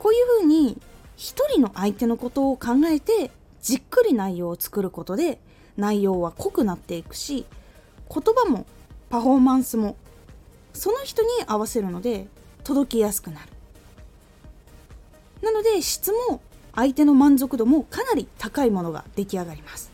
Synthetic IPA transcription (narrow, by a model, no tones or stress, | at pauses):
ko̞ːjɯ̟ːɸɯ̟ːɲ̟içi̥t̪o̞ɾʲino̞ʔait̪e̞no̞ko̞t̪o̞ːkãŋɡae̞t̪e̞ | d͡ʑikːɯ̟ɾʲinaijo̞ːt͡sɨ̥kɯ̟ɾɯ̟ko̞t̪o̞d̪e̞ | naijo̞ːβ̞ako̞kɯ̟nat̪ːe̞ikɯ̟̥ɕi | kʰo̞t̪o̞bamo̞̰ | paɸo̞ːmãɰ̃sɨmo̞ | so̞no̞çi̥t̪o̞ɲ̟iʔaβ̞ase̞ɾɯ̟no̞d̪e̞t̪o̞d̪o̞kʲijasɨ̥kɯ̟naɾɯ̟̥ | nano̞d̪e̞ɕi̥t͡sɨmo̞ait̪e̞no̞mãnzo̞kɯ̟d̪o̞mo̞kanaɾʲit̪akaimo̞no̞ɡa̰d̪̥e̞kʲiaɡaɾʲimasɨ̥